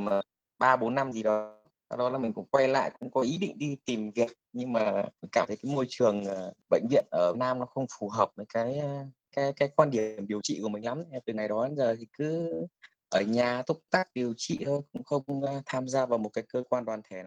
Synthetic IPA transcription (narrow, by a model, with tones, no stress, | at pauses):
m˨˩ | ɓaː˧ɓo˨˦nːa˧mzi˨˩ɗɔ˨˦ | ta˧˩ɗɔ˨˦laː˨˩mï˨˩ŋ̟kʊ̰˧˥ŋ͡mkwa˧jla̰ː˧˨jkʊ̰˧˥ŋ͡mkɔ˨˦ʔi˨˦ɗḭ˧˨ŋ̟ɗi˧t̪i˨˩mvi˨˩ək̚ɲɨ˧ŋmaː˨˩i̟˨˩kaː˧˩t̪ʰə˨˦kaː˨˦jmo˧jt͡ɕɨ˨˩əŋʔːɓə̰˧˨jŋ̟vḭ˧˨ənʔəː˧˩˨naː˧mnɔ˨˦xə˧wŋ͡mfu˨˩ɦəː˨˩p̚mə˨˦jkaː˨˦j | kaː˨˦jkaː˨˦jkwaː˧nɗi˧˩ə˩əmɗi˨˩əwt͡ɕḭ˧˨ku˧˩əmï˨˩ŋ̟la˨˦mn˨˧˨t̪ɨ˨˩ŋa˨˩jɗɔ˨˦a˨˦nzəː˨˩t̪ʰi˨˩kɨ˨˦ | ʔəː˧˩ɲaː˨˩t̪ʰʊ˦˥k͡p̚t̪a˦˥k̚ɗi˨˩əwt͡ɕḭ˧˨t̪ʰo˧jkʊ̰˧˥ŋ͡mxə˧wŋ͡mŋ͡mt̪ʰaː˧mzaː˧vaː˨˩wmo˨˩t̚kaː˨˦jkəː˧kwaː˧nɗwaː˨˩nt̪ʰɛ˧˩na˨˧˦